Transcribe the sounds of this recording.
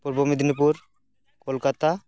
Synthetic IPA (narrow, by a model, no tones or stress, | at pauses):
puɾbomid̪ʱnipuɾ | kolkat̪a